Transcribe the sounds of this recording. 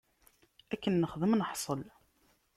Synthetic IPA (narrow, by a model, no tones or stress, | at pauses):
ækːənːəχðəmnəħsˤəl